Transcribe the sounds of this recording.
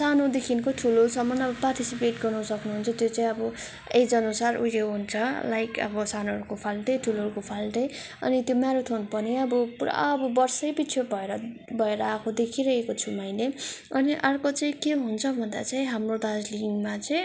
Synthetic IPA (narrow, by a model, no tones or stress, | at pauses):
sanod̪ekʰinkoʈʰulosʌmʌnʌbʌparʈ̪isipeʈɡʌrnʌsʌknuɦunt͡sʰʌt̪jot͡saĩʌbʌ | ejd͡zʌnusaruleɦunt͡sʰʌlajkʌ̰bʌsanoɦʌɾukopʰalʈʌjʈʰulɦʌɾukopʰalʈʌj | ʌ̰nit̪jomaɾut̪ʰunupʌniʌbʌpuɾa̰ʌbʌbʌrsʌjbit͡sʰobʱʌeɾʌbʱʌeɾʌːkʰod̪ekʰiɾʌekot͡sʰumajleʌniʔʌrkot͡saĩkeɦunt͡sʰʌbʱʌnd̪a̰t͡saĩɦamrod̪ad͡zliŋmat͡saĩ